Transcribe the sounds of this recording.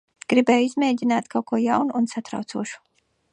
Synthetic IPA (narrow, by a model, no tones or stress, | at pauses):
ɡ̥ɾibɛːjuizmʲeːɟʲinaːt̪kʰawkuɔjawnuːnsat̪ɾa̰wt̪suɔʃu̥